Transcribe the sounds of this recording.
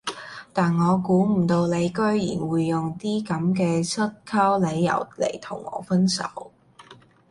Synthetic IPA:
t̪aː˨nŋɔː˨˧kuː˨˥m̩˨˩t̪o˧wle˨˧jkɵ˥ɥjḭː˨˩nwuː˨˧jːʊ˨ŋt̪iː˥kɐ˨˥mkɛː˧t͡sʰɵ˥t̚kʰɐ˥wle˨˧jːɐ̰˨˩wlḛ˨˩jt̪ʰʊ̰˨˩ŋːɔ̰ː˨˧fɐ˥nsɐ̰˨˥w

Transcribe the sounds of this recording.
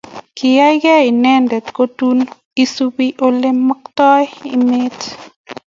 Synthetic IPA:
kɪ˨ja˦jkɛ˦i˨nɛ˦ndɛ˨tko˦tun | i˦supiʔo˦le˦mːə˦ktɔ˦jḭme˦t

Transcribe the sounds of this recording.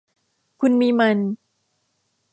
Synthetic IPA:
kʰu˧nmiː˧ma˧n

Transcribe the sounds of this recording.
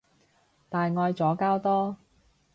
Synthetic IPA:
t̪aː˨jŋɔː˧jt͡sɔː˨˥kaː˥wt̪ɔː˥

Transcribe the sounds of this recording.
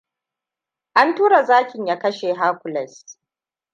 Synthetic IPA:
ʔa˦ntuː˦ɾa˨zaː˦kʲɪ˨ɲja˦kɐ˦ʃeː˨ɦaː˦kʷʊ˨lɛ˨s

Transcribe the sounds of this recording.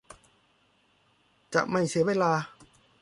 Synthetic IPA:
t͡ɕa̰˨˩ʔma˥˩jsi˩˦ɐweː˧laː˧

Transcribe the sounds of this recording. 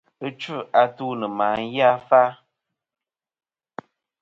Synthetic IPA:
ə˦t͡ʃʉ˦a˨tu˦nə˨maː˨˦ŋ̩˦ja˦fa˦

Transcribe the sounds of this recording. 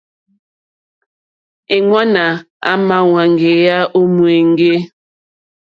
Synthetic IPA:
e˨ŋwa˦na˨ | a̰˦ma˦˨wa˨ŋ˨ɡe˨ja˦ʔo˦mu˨e˨ŋ̩˦ɡe˦

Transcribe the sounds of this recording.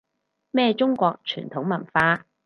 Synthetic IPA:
mɛː˥˧t͡ʃʊ˥ŋkʷɔː˧k̚t͡ʃʰy̰ː˨˩nt̪ʰʊ˨˥ŋmɐ˨˩nfaː˧

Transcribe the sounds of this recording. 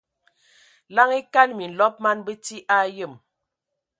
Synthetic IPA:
la˦ŋi˦ka˦nmi˨n̩˨lɔ˦p̚ma˦nbə˦ti˦ʔa˦jə˦˨m

